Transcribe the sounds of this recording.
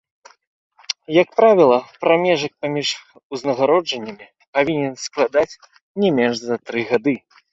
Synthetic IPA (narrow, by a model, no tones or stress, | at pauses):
jɐk̚pɾavʲilˠɐpɾamʲɛʐɐk̚pamʲiʂ | uznɐɣaɾɔd͡ʐɐnʲːɐmʲi | pavʲinʲɛnsklˠad̪at͡sʲ | nʲɛmʲɛnʐzɐt̪ɾɨɣad̪ɨ